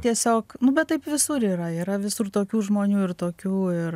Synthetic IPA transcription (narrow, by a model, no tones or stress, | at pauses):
t̪ʲiɛsʲoːknʊbʲɛt̪t̪ːɐɪpʋʲɪsʊɾiːɾɐiːɾɐʋʲɪsʊrt̪oːkʲuːʒmoːnʲuːɪrt̪oːkʲuːɪr